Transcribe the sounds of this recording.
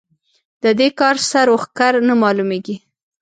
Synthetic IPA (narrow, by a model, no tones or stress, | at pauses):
d̪̥əd̪ekɑɾsaɾoxkaɾnamɑlumeɡi